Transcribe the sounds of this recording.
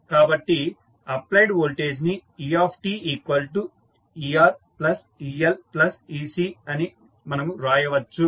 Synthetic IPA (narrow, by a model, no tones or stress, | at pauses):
kaːbɐʈːi | ɐplɐjɖʋoːlʈeːd͡ʒniiːaːpʰʈiːiːkʋɐlʈu | iːaːɾ | plɐs | iːelplɐsiːsiːɐni | mɐnɐmuɾaːjɐʋɐt͡ʃːu